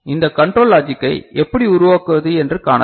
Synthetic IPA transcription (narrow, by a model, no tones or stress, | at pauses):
ɪnd̪ɐkɐɳʈɾoːlaːd͡ʒɪkːɐɪɛpːɐɽiʊɾʊʋaːkɯʋɐðɯɛndrɯkaːɳɐ